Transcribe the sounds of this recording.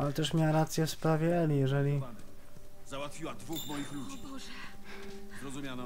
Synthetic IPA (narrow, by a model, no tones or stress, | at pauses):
alɛt̪ɛʂmʲjawaɾat̪sʲjɛfspɾavʲjɛɛlʲijɛʐɛlʲi | zawat̪fʲiwad̪vuxmɔjixlud͡ʑ | zɾɔzumjanɔ